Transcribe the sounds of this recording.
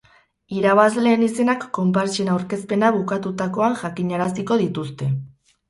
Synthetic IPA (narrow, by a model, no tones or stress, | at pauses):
iɾaβ̞azle̞ːnise̞nakːo̞mpaɾt͡ʃenawɾke̞spe̞naβukat̪ut̪ako̞aŋʝakiɲaɾasiko̞ðit̪ust̪e̞